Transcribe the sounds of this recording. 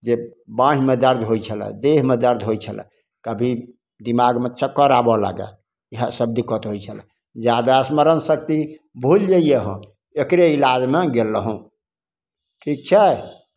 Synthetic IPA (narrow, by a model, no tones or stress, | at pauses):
d͡ʒebãɦimed̪əɾd̪ʱɦojt͡ʃʰəlɛ̰̃d̪eɦmed̪əɾd̪ʱɦojt͡ʃʰəlɛ̰̃ | kəbʱi | d̪imaɡmet͡ʃəkːəɾabɔla̰ɡɛ̰ | iɦəsəb̚d̪ikət̪ɦojt͡ʃʰəlɛ̰ | d͡ʒjad̪asməɾənsək̚t̪i | bʱuld͡ʒəijeɦɔ̰̃ | ekɾeilad͡ʒmeɡelːəɦũ | ʈʰik̚t͡ʃʰɛ